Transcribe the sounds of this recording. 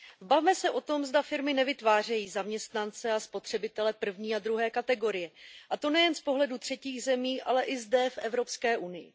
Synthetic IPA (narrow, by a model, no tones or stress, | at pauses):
vbavmɛsɛʔo̞t̪o̞mzdafɪɾmɪnɛvɪt̪vaːr̝ɛjiːzamɲɛst̪nant͡sɛaspo̞t̪r̝̥ɛbɪt̪ɛlɛpr̩vɲiːad̪ɾuɦɛːkat̪ɛɡo̞ɾɪjɛʔat̪o̞nɛjɛnspo̞ɦlɛdut̪r̝̥ɛciːɣzɛmiːʔa̰lɛʔɪzdɛfʔɛvɾo̞pskɛːʔunɪjɪ̰